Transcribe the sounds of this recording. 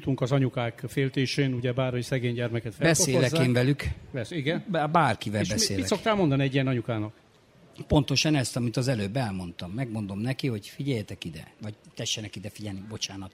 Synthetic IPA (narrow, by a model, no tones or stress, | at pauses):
t̪uŋkɒzɒɲukaːkfeːlt̪eːʃeːnuɟɛbaːrhojsɛɡeːɲɟɛrmɛkɛt̪fɛbɛsoeːlɛzːeɱvɛlykvɛsiɡɛnbabaːrkivɛlbɛsḛːlsok̚t̪aːlmond̪ɒniɛɟːijɛnɒɲukaːnɒk | po̞nt̪o̞ʃɒnɛst̪ɒmit̪ɒzɛløːbːɛlmo̞nt̪ɒmːɛɡmo̞nd̪o̞mnɛkiho̞ɟfiɟɛjɛt̪ɛkid̪ɛ̰vɒɟt̪ɛʃːɛnɛkid̪ɛfiɟɛlnibo̞t͡ʃaːnɒt̪